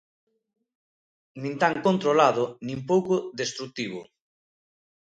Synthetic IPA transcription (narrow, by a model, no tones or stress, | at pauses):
nĩnt̪aŋkont̪ɾolaðʊnĩmpowkʊðest̪ɾuk̚t̪iβ̞ʊ